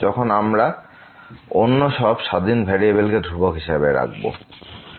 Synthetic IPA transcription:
d͡ʑɔkʰonamɾa | onːoʃɔbʃad̪inbʱɛɾiebelked̪ʱɾubokɦiʃabeɾa̰ɡ̚bo̰

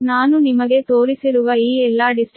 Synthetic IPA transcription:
naːnunimɐɡe̞t̪oːɾisiɾuʋɐiːɛlːaːɖisʈ

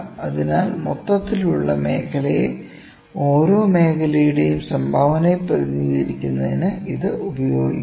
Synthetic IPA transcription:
ɐðinaːlmot̪ːɐt̪ːiluɭːɐme̞ːkʰɐlɐje | o̞ːɾoːme̞ːkɐlɐjuɽejumsɐmbʱaːʋɐnepːɐɲːiðiɾikʲːunːɐðinɨʔiðɨubɐjoːɡi

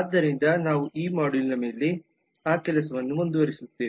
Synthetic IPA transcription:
ɐːd̪ːɐɾind̪ɐnaːʋuʔiːmaːɽilinɐmeːlːi | aːkɛlɐsɐʋɐnːumund̪uʋɐɾisut̪ːiːʋi

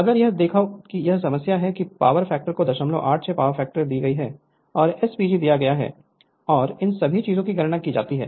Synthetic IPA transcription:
ɐd̪əɾjɐɦd̪eːkʰaokijɐɦs̬ɐməsjaɦɛkipa̰ːʋəɾfɛːk̚ʈəɾkod̪ɐʃəmlõ̰ʔaːʈʰsepaːʋəɾfɛːk̚ʈəɾd̪iːɡɐiɦɛː | ɔːɾɛspiːd͡ʒid̪ijaɡɐjaɦɛ̰ː | ɔːɾɪnsɐbʱit͡ʃiːzõkiɡɐɾnakid͡ʒa̰ːt̪iɦɛ̰ː

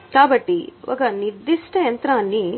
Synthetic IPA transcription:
kaːbɐʈːiʋʔɐ̰ːɡɐniɾd̪iʂʈɐjɐnt̪ɾaːnːi

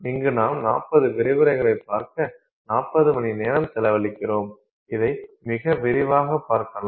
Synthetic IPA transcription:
ɪŋɡɯnaːmnaːpːɐðɯʋɪɾɪʋɯɾɐɪɣɐɭɐɪpːaːɾkɐ | naːpːɐðɯmɐnineːɾɐmsɛlɐʋɐlɪkːɪroːm | ɪðɐɪmɪɣɐʋɪɾɪʋaːɣɐpːaːɾkɐla

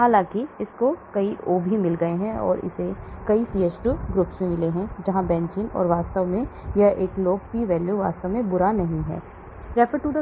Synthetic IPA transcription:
haːlãːkiɪskokɐiʔoːbʱimɪlɡɐeɦɛ̃ɔ̰ːɾɪ̰sekɐisiːet͡ʃʈuːɡɾʊpsmẽmɪleɦɛ̃d͡ʒɐɦãbɛ̃ːnt͡ʃɪnɔ̰ːɾʋaːst̪əʋmẽjɐʔeːkloːɡ̚piʋɛːljuʋa̰ːst̪əʋmẽbʊɾanɐɦĩɦɛ̰ː | ɾɛfəɾʈud̪ə

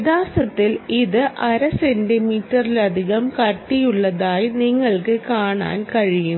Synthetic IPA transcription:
ðaːsɐt̪ːiliðɨʔɐɾɐsendimiːʈːɐrilɐd̪ʱiɣɐmkɐʈːijuɭːɐðaːjniŋːɐɭkɨkaːɳa̰ːnkɐɻijum

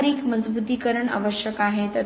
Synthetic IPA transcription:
ɾikməd͡zbud̪ʱːikəɾəɳa̰ʋəɕjəkaɦet̪ə

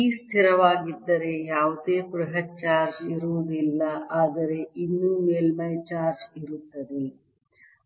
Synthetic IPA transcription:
iːst̪ʰiɾɐʋaːɡid̪ːɐɾejaːʋd̪eːpɾɐɦɐʈ̚t͡ʃaːɾd͡ʒiɾuʋud̪ilːɐʔaːd̪ɐɾeʔinːuːmeːlmɐjt͡ʃaːɾd͡ʒiɾut̪ːɐd̪e

